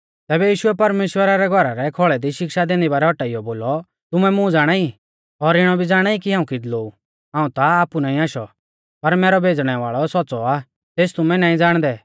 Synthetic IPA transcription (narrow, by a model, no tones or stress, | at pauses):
t̪ɛːbɛjiːʃʊɛpɐɾmeːʃwəɾaɾɛɡʱɔɾaɾɛkʰɔɭɛd̪iʃɪkʃad̪eːnd̪ibaːɾɛɦɔʈaːijɔboːlɔ | t̪ʊmɛmʊ̃d͡zaːɽ̃ai | ɔɾɪɽ̃ɔbʱid͡zaːɽ̃aikiɦãːũkɪd̪loːu | ɦãːũt̪aaːpunaːĩaːʃɔ̰ | pɐɾmɛːɾɔbʱeːd͡zɽ̃ɛʋaːɭɔsɔːt͡sɔa | t̪eːst̪ʊmɛnaːĩd͡zaːɽ̃d̪ɛ